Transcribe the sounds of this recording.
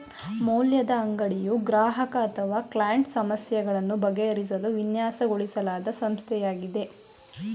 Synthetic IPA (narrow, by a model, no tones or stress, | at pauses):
moːljɐd̪ɐːŋɡɐɽijuɡɾaːɦɐkɐːt̪ʰɐʋaːklajɐɳʈsɐmɐsjɐɡɐɭɐnːubɐɡeɐɾis̬ɐluʋinjaːsɐɡoɭisɐlaːd̪ɐsɐmst̪ʰɛjaːɡid̪e̞